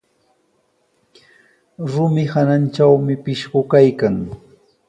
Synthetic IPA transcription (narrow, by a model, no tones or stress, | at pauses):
ɾʊmɪhananʈ͡ʂawmɪpɪʃɢʊkajkaŋ